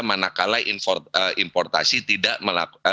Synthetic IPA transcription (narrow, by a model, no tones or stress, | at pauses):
manakalainfɔrəʔimpɔrt̪asit̪idaʔməla̰